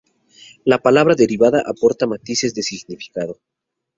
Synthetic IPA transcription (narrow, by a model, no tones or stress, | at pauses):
lapalaβɾaðe̞ɾiβaðaʔapo̞ɾt̪amat̪ise̞zðe̞siɣnifi̥kaðo̞